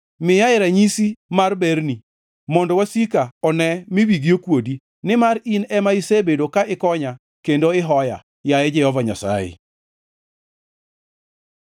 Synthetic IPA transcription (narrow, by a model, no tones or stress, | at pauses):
mɪjaɪɾaɲisimarbeɾni | mɔndɔwasikaɔnɛmɪwiɡiokwodi | nɪmaɾinɛmaisebedokaɪkɔɲa | kendoɪɦɔja̰ | jajɛd͡ʒɛhɔvaɲa̰sa̰jḛ